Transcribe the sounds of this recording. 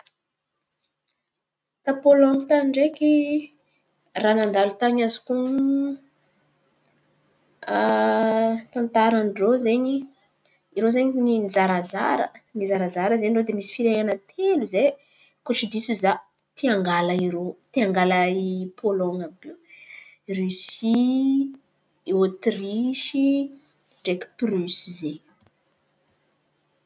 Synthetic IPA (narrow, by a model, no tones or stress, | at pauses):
t̪apolɔŋit̪aɳɖ͡ʐekʲi | ranand̪alut̪aɲazi̥ku | t̪ant̪aɾanɖ͡ʐozeɲi | iɾozeɲininizaɾaza̰ɾə̰nizaɾazaɾəzeɳɖ͡ʐod̪emisi̥fiɾeɲanat̪ʰeluze | koʈ͡ʂid̪isuza | t̪iaŋɡaləiɾot̪iaŋɡalaipʰolɔŋabi | rysi | ot̪riʃi | d͡ʒekpryszeɲ